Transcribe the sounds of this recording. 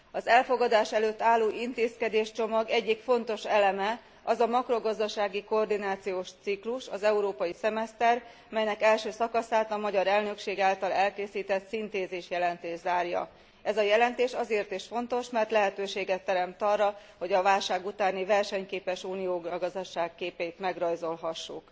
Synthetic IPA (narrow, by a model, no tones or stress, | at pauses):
ɒzɛlfo̞ɡɒd̪aːʃɛløːt̪ːaːlːoːʔint̪eːskɛd̪eːʃt͡ʃo̞mɒɡɛɟːikfo̞n̪t̪o̞ʃɛlɛmɛ | ɒzɒmɒkro̞ɡɒzd̪ɒʃaːɡiko̞rd̪inaːt̪sijoːʃt̪sikluʃɒzɛuɾoːpɒjisɛmɛst̪ɛr | mɛjnɛkɛlʃøːsɒkɒsaːt̪ɒmɒɟɒɾɛlnø̞kʃeːɡaːlt̪ɒlɛlkeːsiːt̪ɛt̪sint̪eːzeːʃjɛlɛnt̪eːʒzaːrjɒ̰ | ɛzɒjɛlɛnt̪eːʃɒzeːrt̪iʃfo̞nt̪o̞ʃmɛrt̪lɛɦɛt̪øːʃeːɡɛt̪ːɛɾɛmt̪ɒrːɒho̞ɟɒvaːlʃaːɡut̪aːnivɛrʃɛɲkeːpɛʃuːnijoːɡɡɒzd̪ɒʃaːkːeːpeːjt̪mɛɡrɒjzo̞lɦɒʃːuk